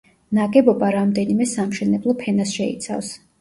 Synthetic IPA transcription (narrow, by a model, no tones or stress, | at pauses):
naɡɛbɔbaɾamd̪ɛnimɛsamʃɛnɛblˠɔpʰɛnasʃɛḭt̪sʰa̰fs